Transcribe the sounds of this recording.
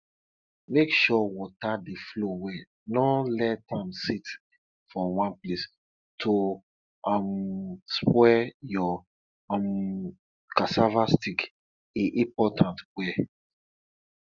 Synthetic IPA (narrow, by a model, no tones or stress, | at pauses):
mekʃɔwɔtadeflowɛ | nɔlɛtãmsit | fɔ̃wãnples | tʰo | amspwɛjɔ | m | kasavastik | eʔĩpɔtãntwɛ